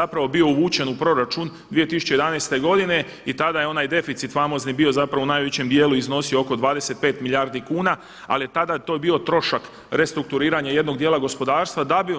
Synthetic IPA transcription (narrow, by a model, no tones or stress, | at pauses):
apɾaʋo̞bio̞uʋuːt͡ɕe̞nupɾo̞ɾat͡ʃund̪ʋije̞t̪isu̥t͡ɕe̞jed̪anejst̪e̞ɡo̞d̪ine̞ | it̪ad̪ajeo̞najd̪e̞fit̪sit̪famo̞znibio̞zapɾaʋounaːjʋet͡ɕe̞md̪jeːluizno̞siooko̞d̪ʋaːd̪e̞se̞t̪̚pe̞ːt̪milʎjaɾd̪ikuːna | a̰lije̞t̪ad̪at̪o̞ːjebio̞t̪ɾo̞ʃak | ɾe̞st̪ɾuk̚t̪uɾiːɾaɲaje̞d̪no̞ɡ̚d̪jeːlˠaɡo̞spo̞d̪aːɾst̪ʋad̪abi